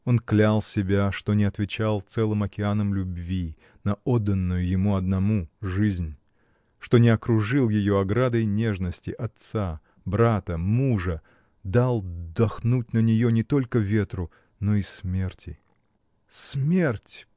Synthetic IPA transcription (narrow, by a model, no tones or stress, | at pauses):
o̞nklʲalˠsʲɪbʲaʂt̪onʲɪɐt̪vʲɪt͡ɕalˠt̪sɛlˠɨmɐkʲɪanəmlʲʊbvʲi | nɐod̪ːənːʊjʊjɪmuɐd̪nɐmuʐɨzʲnʲ | ʂt̪o̞nʲɪɐkɾʊʐɨlˠjɪjo̞ɐɡɾad̪əjnʲe̞ʐnəsʲtʲɪʔɐt̪sa | bɾat̪əmuʐə | d̪alˠd̪ɐxnut̚ʲnənʲɪjonʲɪt̪o̞lʲkəvʲe̞t̪ɾʊ | noismʲe̞rtʲɪ | smʲertʲ